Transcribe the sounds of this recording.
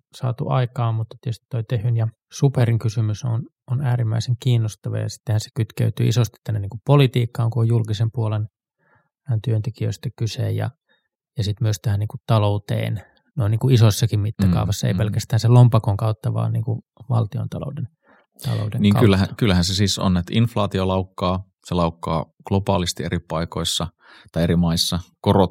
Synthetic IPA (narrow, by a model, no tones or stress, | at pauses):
sɑ̰ːt̪ṵʔɑ̰ikɑːmmut̪ːet̪jost̪ːoit̪ehynjɑ | superiŋkysymyso̰n | onæːɾimːæiseŋkiːnːost̪ɑʋɑ̰jɑ̰si̥t̪ːehænse̥kyt̪kø̰yt̪y̰ːʔisost̪it̪t̪ænːeniːŋkuppolit̪iːkːɑːŋkuojjulkisempuolen | nt̪yønt̪ekiø̰ist̪ɑkyseːjjɑ̰ | jɑsit̪myøst̪æhæniːŋkutt̪ɑlout̪ḛːn | noiniːŋkuisosːɑkimmit̪ːækɑ̰uʋɑsːɑḛipelkæst̪æːnselompɑkoŋkɑut̪ːɑʋɑ̰ːniːŋku | ʋɑ̰lt̪io̰nt̪ɑlo̰uden | t̪ɑ̰lo̰udḛŋniːŋɑkylːæhækylːæhænsesiːso̰nːet̪inflɑːt̪iolɑukːɑː | selɑukːɑ̰ː | ɡ̥lopɑːlist̪ieɾipɑikoisːɑ | t̪ɑieɾimɑisːɑkorot̪